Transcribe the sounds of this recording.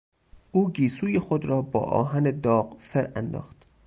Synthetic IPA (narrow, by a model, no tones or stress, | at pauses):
ʔuːɡiːsuːjexod̪ɾɒːbɒ̰ːʔɒ̰ːɦæned̪ɒːɢseɾæ̰nd̪ɒ̰ːxt̪